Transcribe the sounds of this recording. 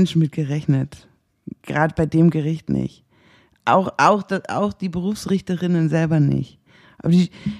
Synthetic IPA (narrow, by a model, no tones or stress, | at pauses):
nʃn̩mɪt̚ɡ̥əʁɛçnət | ɡ̥ʁaːdəbaɪdeːmɡəʁɪçtnɪ̰ç | ʔa̰ʊxʔaʊxd̥aa̰ʊxd̥iːbəʁuːfsʁɪçtəʁɪnənzɛlbɐnɪ̰çt | ʔa̰ːbɐdiː